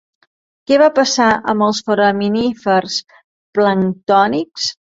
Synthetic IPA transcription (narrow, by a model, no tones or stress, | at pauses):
kɛβapəsaʔəməlˠsfəɾəminifərs | pləŋt̪ɔniks